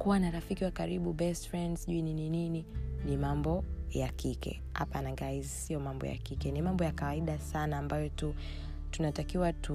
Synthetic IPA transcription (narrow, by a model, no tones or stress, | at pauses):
kuwanaɾafikiwakaɾiɓuɓɛstfɹɛndzʄuinininininimambɔjakikɛ̰ | ha̰panaŋɡaizsiɔmambɔ̰ja̰kikɛnimambɔjakawaiɗasanaːmbajɔtu | tunatakiwatu